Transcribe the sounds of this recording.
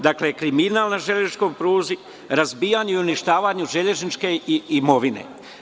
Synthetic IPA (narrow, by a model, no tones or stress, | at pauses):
d̪aklekɾiminalˠnaʒeʎet͡ʃkojpɾuːzi | ɾazbiːjaɲeiuniʃt̪aːʋaɲuʒeʎe̞znit͡ʃke̞iimo̞ʋine̞̰